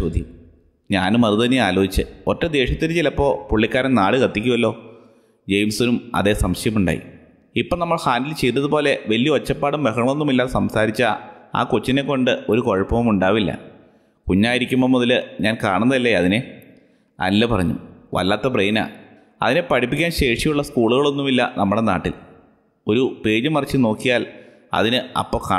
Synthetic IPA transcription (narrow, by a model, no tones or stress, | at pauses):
t͡ɕoːd̪jɐm | ɲaːnumɐruðɐnːeaːlo̞ːit͡ɕːɨ̰oʈːɐd̪e̞ːʂjɐt̪ːint͡ɕilɐpːo̞ːpuɭːikʲːaːɾenaːɽɨkɐt̪ːikʲːuʋɐlːo̞ː | d͡ʑejmsuːnumɐ̰ðe̞ːsɐmɕɐjɐmuɳɖa̰ːjḭ | ipːoɭnɐmːɐɭhaːndilt͡ɕejt̪ːɐðupo̞ːle̞ʋɐlːijɐot͡ɕːɐpːaːɽumʋeɦɐɳɐmonːumilːaːsɐmsaːɾit͡ɕːɐa̰ːkot͡ɕːine̞kːo̞ɳɖɨo̞ɾuko̞ɻɐpːɐʋɐmuɳɖaːʋilːɐ̰ | kuɲːaːjiɾikʲːumːomoðɐlɨɲaːnkaːɳunːɐðɐlːeɐðine | ɐ̰lːɐpɐrɐɲːṵmʋɐ̰lːaːt̪ːɐpreːna̰ː | ɐ̰ðine̞pɐʈʰipːikʲːaːnɕe̞ːʂijuɭːɐskuːɭuɣɐɭo̞nːumilːɐ̰nɐmːuɽe̞na̰ːʈːil | o̞ɾupe̞ːd͡ʑɐmɐrɐt͡ɕːɨno̞ːkːijaːl | ɐ̰ðinɨɐ̰pːoːka